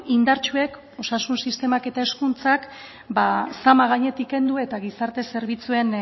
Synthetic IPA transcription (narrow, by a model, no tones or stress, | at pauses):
ind̪aɾt͡ʃue̞k | o̞sasunsist̪e̞make̞t̪ae̞skunt͡sak | basamaɣ̞aɲe̞t̪ike̞nd̪ue̞t̪aɣisaɾt̪e̞se̞ɾβ̞it͡sue̞n